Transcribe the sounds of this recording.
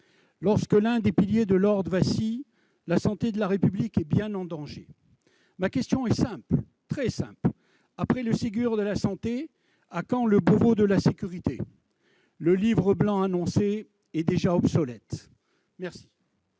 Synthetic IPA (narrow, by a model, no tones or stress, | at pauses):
lɔʁskəlɛ̃d̪epiljed̪əlɔʁd̪əvasi | lasɑ̃t̪ed̪əlaʁepyblikɛbjɛ̃nɑ̃d̪ɑ̃ʒḛ | makʲɛst̪jɔ̃ɛsɛ̃pl | t̪χɛsɛ̰̃pl | apχɛləsiɡʲyʁd̪əlasɑ̃t̪e | akɑ̃ləbovod̪əlasekʲyʁit̪ḛ | ləlivʁəblɑ̃anɔ̃se | ɛd̪eʒaɔbsɔlɛt̪ | mɛʁsi̥